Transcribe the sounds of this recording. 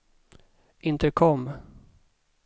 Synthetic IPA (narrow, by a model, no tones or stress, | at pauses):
ʔɪnt̪əkʰɔmː